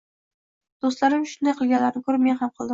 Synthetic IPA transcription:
d̪̥ost̪laɾɪmʃʊnajqʰɨlˠɡʲanlːaɾɪnɪkʰʲɵɾɪme̞nhamqʰɨlˠd̪ɪ

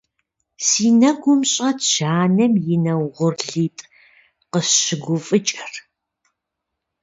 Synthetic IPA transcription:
siːnɐɡʷʊmɕʼɐtʰʃaːnɐmjɪnɐwʁʷʊrɮiːtʼ | qəɕɪɡʷʊfʼɨt͡ʃʼɐr

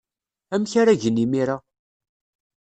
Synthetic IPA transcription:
æmçaɾaʝənːimiɾa

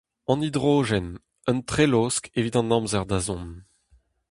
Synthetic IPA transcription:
ɑ̃nid̪ʁoːʒɛn | ənt̪χeloskevit̪ɑ̃nɑ̃mzɛʁd̪azɔ̃n

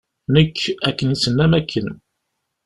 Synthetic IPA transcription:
nəkːækːənisənːæmækʰːən

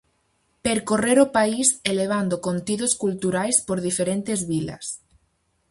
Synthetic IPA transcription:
peɾkoreɾopaiseleβ̞and̪okont̪iðoskult̪uɾajspoɾðifeɾent̪ezβila̰s

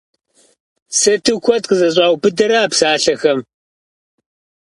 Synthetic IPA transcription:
sɐtʰɨkʷʰɔt̚qəzɐɕ̬ʼaːwbɨdɐɾaːpsaːɬɐxɐm

